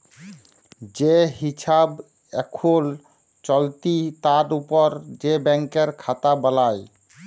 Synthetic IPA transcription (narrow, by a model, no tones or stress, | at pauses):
d͡ʑeɦisab | ekʰol | t͡ʃɔlt̪it̪aɾupɔɾd͡ʑebɛŋkeɾkʰat̪abəlaj